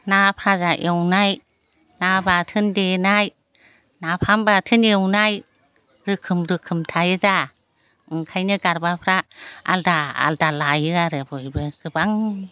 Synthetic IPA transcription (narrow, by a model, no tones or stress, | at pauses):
napʰazaʔewnaj | nabatʰɯndenaj | napʰambatʰɯnewnaj | ɾɯkʰɯmɾɯkʰɯmtʰajɯza | ɯŋkʰajnɯɡaɾbapʰɾaa̰ldaa̰ldalajɯaɾɯbɯjbɯɡ̥ɯbaŋ